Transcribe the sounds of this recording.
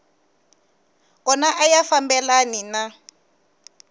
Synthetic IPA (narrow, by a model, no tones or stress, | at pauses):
kɔnaʔajafambɛlanina